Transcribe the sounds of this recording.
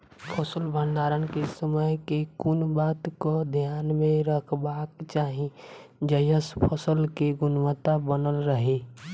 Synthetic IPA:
pʰəsəlbʱə̃nd̪aːɾənkesəməjkekʊnbaːt̪kod̪ʱjaːnmẽɾəkʰbaːkt͡ʃaːɦĩ | d͡ʒəjəspʰəsəlkeɡʊnʋət̪abənəlɾəɦe

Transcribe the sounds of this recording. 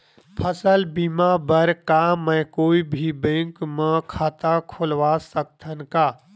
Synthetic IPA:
pʰəsəlbimabəɾkamə̃koːibʱibẽŋkmãkʰaːt̪akʰolʋasək̚t̪ʰənkaː

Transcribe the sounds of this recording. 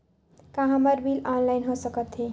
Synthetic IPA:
kãɦaməɾbilɔnlajnɦosəkʌt̪ɦe

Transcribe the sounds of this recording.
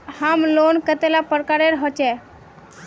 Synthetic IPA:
hamlonkət̪elapəɾkaɾeɾɦɔt͡ʃɛ

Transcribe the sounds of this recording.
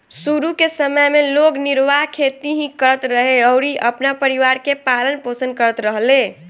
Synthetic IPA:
suɾukesəməjmelokniɾʋaɦkʰet̪iɦĩkəɾət̪ɾəɦeəʊɾiʔəpnapəɾiʋaɾkepalənposənkəɾət̪ɾəɦle

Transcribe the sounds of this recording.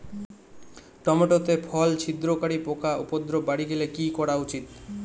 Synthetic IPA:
ʈɔmoʈot̪epʰɔlt͡ɕʰid̪ɾokaɽipokaʔupod̪ɾobaɽiɡelekikɔɽaut͡ɕit̪

